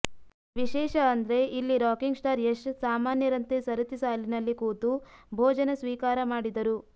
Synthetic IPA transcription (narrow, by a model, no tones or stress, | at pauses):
ʋiʃɛːʃɐːnd̪ɾe̞ʔilːiɾaːkiŋɡsʈaːɾeʂsaːmaːnjɐɾɐnt̪esɐɾɐt̪isaːlinɐlːikuːt̪ubʱɔːd͡ʒɐnɐsʋiːkaːɾɐmaːɽid̪ɐɾu